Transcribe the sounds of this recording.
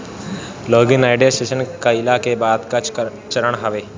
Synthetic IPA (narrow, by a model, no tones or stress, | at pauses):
loːɡɪnaːɪɖijasʈeːʃənkaɪlaːkebaːd̪ka | t͡ʃɐɾəɽ̃ɦaʋeː